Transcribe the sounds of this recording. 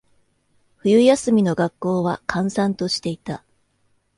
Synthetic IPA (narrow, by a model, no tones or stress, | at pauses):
ɸɯ̟jɯ̟jasɨmʲino̞ɡakːo̞ːβa̰kʰãɰ̃sãnt̪o̞ɕi̥t̪e̞it̪a